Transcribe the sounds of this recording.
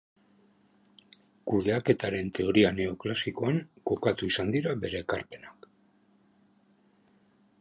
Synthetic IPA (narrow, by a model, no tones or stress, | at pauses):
kuðe̞ake̞t̪aɾe̞nt̪e̞o̞ɾiane̞o̞klasiko̞aŋko̞kat̪uisand̪iɾaβe̞ɾe̞ːka̰rpe̞nak